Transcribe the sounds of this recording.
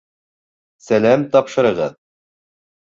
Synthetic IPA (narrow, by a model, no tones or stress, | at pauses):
sælæmt̪ɑpʃɤ̆ɾɤ̆ʁɤ̰ð